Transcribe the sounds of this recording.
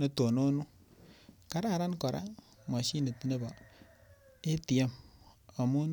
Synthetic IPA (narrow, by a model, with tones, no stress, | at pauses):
ne˨˦to˨no˦nu˦ | ka˦ɾa˦˨ɾa˦nkɔ˨ɾʔa̰˦ | ma˨ʃi˦ne˨ti˨ne˦ba˨ | e˦ti˨e˦ma˨mu˦n